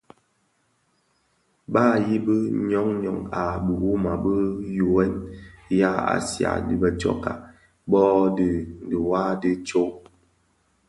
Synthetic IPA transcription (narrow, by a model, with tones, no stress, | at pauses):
baː˦˨ji˦bə˦ɲɔ˦ŋɲɔ̰˨ŋa˨bə˨wu˦ma˨bə˦ju˨wɛ˦nja˦a̰˨sja̰˨di˦bə˨t͡ʃɔ̰˨ka˨ | bɔ˦di˨n˨də˨wa˦di˦t͡ʃo˦